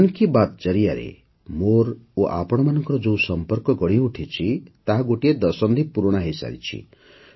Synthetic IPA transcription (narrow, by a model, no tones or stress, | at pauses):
ankibat̪t͡ʃʌɾijaɾḛ | moɾoʔa̰pɔɽ̃ɔmanɔŋkɔɾɔd͡ʒõw̃sɔmpɔɾkɔɡɔɽiuʈʰit͡ʃʰit̪aɦaɡoʈied̪ɔsɔnd̪ʱipuɾɔɽ̃aɦejsa̰ɾḭt͡ʃʰḭ